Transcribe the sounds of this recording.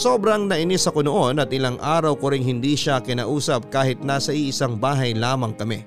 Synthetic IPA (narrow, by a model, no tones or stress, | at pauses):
so̞ːbɾɐŋnɐʔɪnɪsɐko̞noʔo̞nɐt̪̚ʔɪlaŋʔaːɾɐwkoɾɪŋɦɪnd̪iːʃakɪna̰ːʔuːsɐp̚kaːhɪt̪̚naːsɐʔiʔɪsaŋbaːɦɐjlaːmɐŋkɐmɛ